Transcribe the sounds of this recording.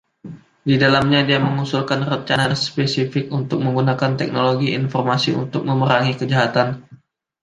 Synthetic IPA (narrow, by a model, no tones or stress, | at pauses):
didalamɲadiaməŋusulkanrəɲt͡ʃanaspesifɪkunt̪ʊk̚məŋɡunakant̪ɛk̚noloɡiinfɔrmasiṵnt̪ʊk̚məməɾaŋikəd͡ʒaɦat̪an